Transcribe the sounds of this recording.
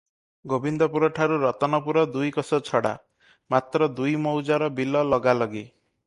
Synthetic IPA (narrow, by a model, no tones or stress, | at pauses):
ɡobind̪ɔpuɾɔʈʰaɾuɾɔt̪ɔnɔpuɾɔd̪ujkɔsɔt͡ʃʰɔɽa̰ | mat̪ɾɔd̪ujmɔwd͡ʒaɾɔbilɔlɔɡalɔɡi